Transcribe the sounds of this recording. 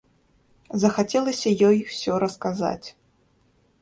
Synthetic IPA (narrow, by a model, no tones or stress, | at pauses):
zɐxat͡sʲɛlˠɐsʲɐjɔjwsʲɔɾɐskaza̰t͡sʲ